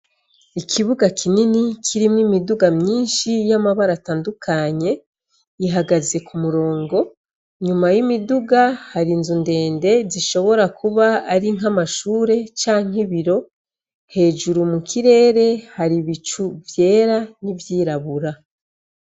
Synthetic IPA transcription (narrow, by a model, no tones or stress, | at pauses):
ikʰiβuɡakʰininikʰiɾimŋimiduɡamɲiːnʃijamaβaɾataːndukʰaɲe̞ | iɦaɡaze̞kumuɾo̞ːŋɡo̞ | ɲumajimiduɡahaɾinzunde̞ːnde̞ziʃo̞βo̞ɾakʰuβaːɾiŋ̥ɦamaʃuːɾe̞t͡ʃaːŋiβiɾo̞ | he̞ːʒuɾumukʰiɾe̞ːɾe̞haɾiβit͡ʃuvje̞ːɾanivjiːɾaβuɾa